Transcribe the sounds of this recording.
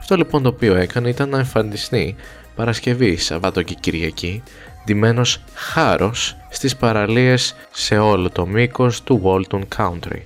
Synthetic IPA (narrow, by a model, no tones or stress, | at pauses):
ɐft̪o̞lipo̞nt̪o̞ːpio̞e̞kɐneit̪ɐnːɐeɱfɐnd̪ist̪i | pɐɾɐsce̞visɐ̰vɐt̪ociciɾʝɐci | d̪ime̞no̞s | xɐɾʔosː | t̪ispɐɾɐlie̞sː | e̞o̞lo̞t̪o̞miko̞st̪uɣo̞lt̪oŋkʰɐunt̪ɾḭ